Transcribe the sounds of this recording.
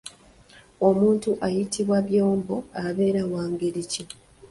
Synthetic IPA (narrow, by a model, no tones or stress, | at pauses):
o̞muːntuʔajitʰiβwaβjoːmbo̞aβe̞ːɾawaːŋɡeɾici